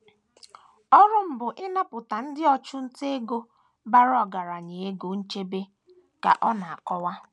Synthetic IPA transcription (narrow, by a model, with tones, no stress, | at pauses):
ɔ˦ɾʊ˦m̩˨bʊ˨ʔɪ˦na˦pʊ˨ta˨n̩˦dɪ˦ɔ˦t͡ʃʊ˦n̩˦te˦e˦ɡo˦ | ba˦ɾɔ˨ɡa˨ɾa˨ɲe˨e˦ɡo˨n̩˦t͡ʃe˦be˦ | ka̰˨ʔɔ˦na˨a˨kɔ˦wa˦